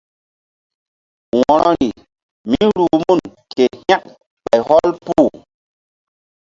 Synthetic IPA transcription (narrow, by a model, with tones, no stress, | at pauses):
wɔ˨ɾɔ˦ɾi˨ | mi˦ɾuː˨mu˦˨nke˨hja˦k̚ | ɓa˨jhɔ˦lpuː˦˨